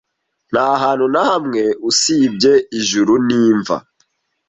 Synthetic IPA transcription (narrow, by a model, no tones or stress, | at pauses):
naɦaːnhunahamŋeusiːbɟeiʒuɾuniːɱva̰